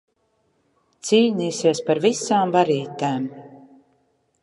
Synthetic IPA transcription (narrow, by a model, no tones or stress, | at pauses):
t̪siːlniːsiɛspaɾvisaːmvaɾiːt̪aːm